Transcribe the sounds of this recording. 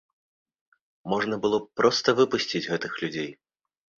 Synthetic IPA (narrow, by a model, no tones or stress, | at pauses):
mɔʐnɐbɨlˠɔpɾɔst̪ɐvɨpusʲt͡sʲid͡zʲɣɛt̪ɨxlʲud͡zʲej